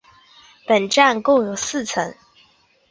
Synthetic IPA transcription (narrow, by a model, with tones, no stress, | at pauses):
pə˨˩nʈ͡ʂa˥˨nkʊ˥˩ŋjo˨˩ʊsɹ̩˥˨t͡sʰə˧˥ŋ